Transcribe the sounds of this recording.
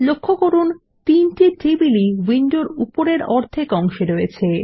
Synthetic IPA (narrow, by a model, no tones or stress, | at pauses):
lokʰːokoɾun | t̪inʈiʈibiliwinɖoɾupoɾeɾɔɾt̪ʰekɔŋʃeɾojet͡ɕʰe